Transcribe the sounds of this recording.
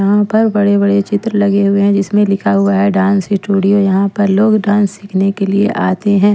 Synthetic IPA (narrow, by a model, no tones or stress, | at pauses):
ɦãpɐɾbɐɽebɐɽet͡ʃɪt̪ɾəlɐɡeɦʊeɦɛ̃d͡ʒɪsmẽlɪkʰaɦʊaɦɛɖãːnsɪsʈuːɽijojɐɦãpɐɾloːɡɖãːnsːɪkʰnekeliḛʔaːt̪eɦɛ̃ː